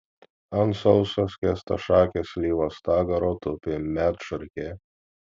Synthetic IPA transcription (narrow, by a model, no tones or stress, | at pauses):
ɐnsɔʊsɐskʲɛst̪ɐ̰ʃɑːkʲesʲlʲiːʋost̪ɑːɡɐɾoːt̪ʊpʲɪmʲæt̪ʃɐɾʲkʲe